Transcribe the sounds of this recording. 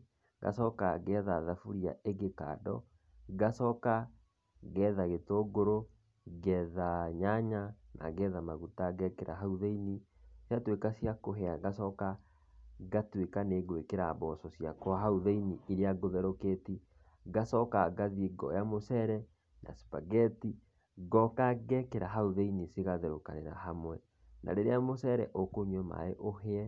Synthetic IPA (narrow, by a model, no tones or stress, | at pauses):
ɡa̰sɔkaɣɛðaðafuɾia̰ʔeɡeka̰ːdɔ̰ | ɡasɔka | ɣɛðaɣetoɡoɾo | ɡɛðaɲaɲanʔa̰ɣɛðamaɣutaɡɛkeɾʔa̰ɦauðeini | sjatwekasjakoɦɛaɡasɔka | ɣatwekaneɡwekeɾaβɔsɔsjakoaɦauðeiniiɾeaɡoðɛɾoketi | ɡasɔkaɡaðiɡɔ̰jamosɛɾɛ | na̰si̥paɣɛti | ɡɔkaɡɛkeɾaɦauðeinisiɣaðeɾokaneɾa̰hamwɛ | nʔa̰ɾeɾeamosɛɾɛʔokoɲɛma̰eʔoheɛ